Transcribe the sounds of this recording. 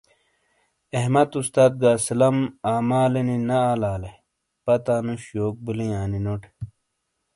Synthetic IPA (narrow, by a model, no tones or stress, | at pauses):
eɦmɐt̪ust̪aːt̪̚ɡaːsilɐmaːmaːleninɐaːlaːle | pɐt̪aːnũɕoːk̚bilĩaːninoːʈʰe̥